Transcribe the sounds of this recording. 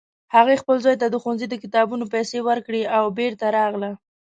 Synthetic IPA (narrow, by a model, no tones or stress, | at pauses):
haɣexpəlzɑjt̪ad̪əxanzid̪əkɪt̪ɑbunopajsewəɾkɽeawbeɾt̪aɾɑɣla